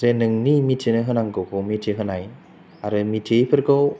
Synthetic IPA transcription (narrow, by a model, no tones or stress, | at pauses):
zenɯŋnimitʰinɯɦɯnaŋɡɯwkʰɯwmitʰiɦɯnaj | aɾɯmitʰijpʰɯɾɡɯw